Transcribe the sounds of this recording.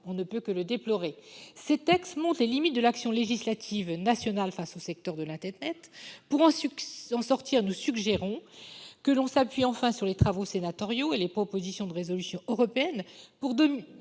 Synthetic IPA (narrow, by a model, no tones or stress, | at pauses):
ɔ̃nəpøkələd̪eplɔʁeset̪ɛkst̪mɔ̃t̪lelimit̪̚d̪əlaksjɔ̃leʒislat̪ʰivnasjɔnalfasosɛk̚t̪œʁd̪əlɛ̃t̪ɛʁnɛt̪puʁɑ̃sɑ̃sɔʁt̪iʁenusyɡʒeʁɔ̃kəlɔ̃sapɥiɑ̃fɛ̃syʁlet̪χavosenat̪ɔʁjoelepχɔpozisjɔ̃d̪əʁezɔlysjɔ̃øʁɔpeɛnpuʁd̪ɔm